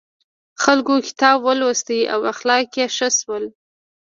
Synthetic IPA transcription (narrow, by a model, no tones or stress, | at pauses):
xalkokɪ̥t̪ɑbwəlwəst̪əʔa̰waxlɑkjeʃəswəl